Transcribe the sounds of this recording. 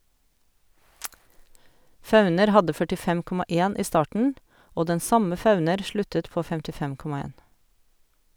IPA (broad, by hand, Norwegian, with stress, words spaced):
ˈfɑʉnəɾ ˈhɑdə fœʈɪˈfɛm ˈkɔmɑ ˈeːn ˈiː ˈstɑːʈɳ̩ ˈoː ˈdɛn ˈsɑmə ˈfɑʉnəɾ ˈʃlʉtət ˈpoː fɛmtɪˈfɛm ˈkɔmɑ ˈeːn